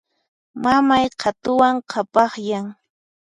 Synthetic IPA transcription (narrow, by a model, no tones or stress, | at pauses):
mamajqʰɑt̪ʊwaŋqʰɑpɑχjaŋ